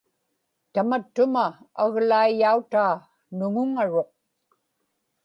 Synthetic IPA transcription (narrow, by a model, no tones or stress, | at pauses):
t̪amat̪ːʊma | aɣlaijaut̪aː | nʊŋʊŋaɻo̞q̚